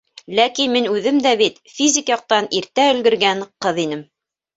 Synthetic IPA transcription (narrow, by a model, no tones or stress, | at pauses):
lækinminʉðɘmd̪æβit̪fʲizʲɪkjɑq̚t̪ɑniɾt̪æɵ̆lɡɘ̆ɾɡænqɤðinɘm